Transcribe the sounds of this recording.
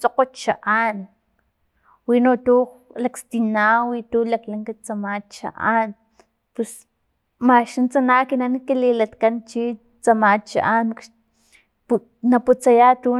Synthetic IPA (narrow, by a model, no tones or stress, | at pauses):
t͡soqot͡ʃa̰ʔan | winot̪ulakst̪inawit̪ulaklaŋkat͡samat͡ʃa̰ʔan | pes | maʃint͡sanakinanikililat̪kant͡ʃi | t͡samat͡ʃa̰ʔanaʃ | naput͡sajat̪u